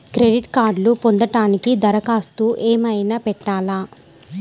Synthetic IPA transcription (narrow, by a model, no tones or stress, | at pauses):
kɾeɖiʈkaːɾɖlupond̪ɐʈaːnikid̪ɐɾɐkaːst̪uʔeːmɐjnaːpɛʈːaːlaː